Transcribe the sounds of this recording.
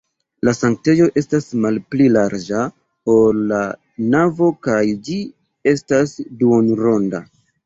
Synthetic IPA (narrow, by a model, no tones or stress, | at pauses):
lasaŋk̚te̞jo̞ʔe̞stasmalplilaɾd͡ʒa | olːa | navo̞kajd͡ʒi | e̞stasduonɾo̞nda